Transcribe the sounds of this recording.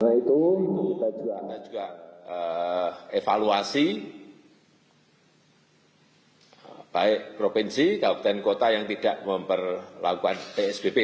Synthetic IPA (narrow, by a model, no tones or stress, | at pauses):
nait̪ut̪ad͡ʒuɡanḁd͡ʒuɡ̥aə | efaluasi | b̥aɪʔpɾopinsikapu̥t̪ənkot̪ajaŋt̪id̥aʔməmpərlakukanpeɛsb̥epe